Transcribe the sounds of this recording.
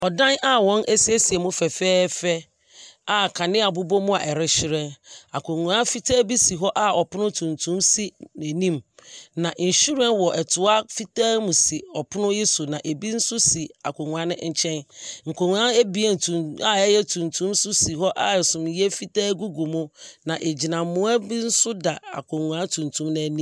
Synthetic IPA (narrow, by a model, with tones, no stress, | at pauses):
ɔ˨dã˦nʔa˦wɔ̃˦nʔɛ˦si˦e˦si˨ɛ˨mʊ̃˦fɛ˨fɛː˦fɛ˦ | a˨kʰa˨nɪ̃˦a˨bʊ˦bɔ˦mʊ̃˦a˨ʔɛ˨ɾɪ˦ɕɪ˦ɾɛ̃˦na̰˨kʰo˨ŋũ˨ã˦fi˦tʰa˦bi˦si˨ɦɔ˦ʔa˦ɔ˨pʰʊ˦nʊ̃˦tʰũ˨ntʰũ˦msi˦nɛ̃˨nĩ˦mnã˨ʔi˨n˨ɕu˦ɾɛ̃˦nwɔ˨ʔɛ˨tʰʊ˨a˦fi˦tʰaː˦mũ˨si˨ɔ˨pʰʊ˦nʊ̃˦jɪ˦sʊ˨nã˨ʔe˨bi˦n̩˦sʊ˦si˨a̰˨kʰo˨ŋũ˨a˦nɪ̃˦ɲ̩˨t͡ɕʰɛ̃˦nŋ̩˨kʰo˨ŋũ˨ã˦e˦bi˦ɛ˨n˨tʰũ˨a˨ɛ˦jɛ˦tʰũ˨ntʰũ˦msʊ˦si˨ɦɔ˦ʔa˨sʊ̃˨mjɛ˦fi˦taː˦ɡu˦ɡu˨mʊ̃˦nã˨ʔe˨d͡ʑi˨nã˨mʊ̃˦a˦bi˦n̩˦sʊ˦da˨a̰˨kʰo˨ŋũ˨ã˦tʰũ˨ntʰũ˦mnã˨nĩ˦